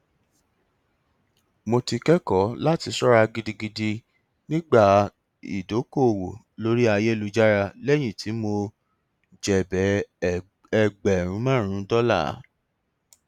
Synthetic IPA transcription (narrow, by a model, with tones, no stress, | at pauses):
mo˧ti˧kɛ˦kɔ˨˦la˦ti˧sɔ˦ɾa˧ɡi˧di˧ɡi˧di˧ | nĩ˦ɡ͡ba˦˨ | ḭ˨do˨˦ko˦˨wo˨ | lo˦ɾi˦a˧je˦lu˧˦d͡ʒa˦ɾa˧lɛ˦j̃ĩ˦˨ti˨˦mo˧ | d͡ʒɛ˨bɛ˨˦ | ɛ˧ɡ͡bɛ˨ɾ̃ũ˨˦mã˦˨ɾ̃ũ˨˦dɔ˦la̰˦˨˦